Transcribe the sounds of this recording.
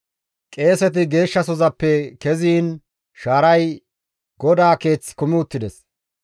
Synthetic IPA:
kʼe̞ːsɛt̪̬ɪɡe̞ːʃːɐsɔzɐpːɛkɛziːn | ʃaːɾɐj | ɡ̥ɔd̪aːke̞ːt͡sːkʊmɪʊt̪ːɪd̪ɛs

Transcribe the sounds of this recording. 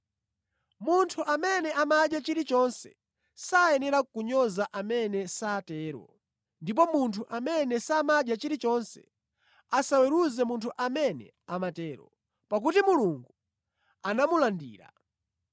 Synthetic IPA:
muntʰuʔamɛnɛʔamaɗjat͡ʃiɾit͡ʃɔnsɛ̰ | sajɛnɛɾakuɲɔzaʔamɛnɛsaːtɛːɾɔ̰ | ndip̬ɔmuntʰuʔamɛnɛsamaɗjat͡ʃiɾit͡ʃɔnsɛ̰ | asawɛɾuzɛmuntʰuʔamɛnɛ̰ | amatɛːɾɔ̰ | pak̬utimuluŋɡu | anamulandḭːɾa̰

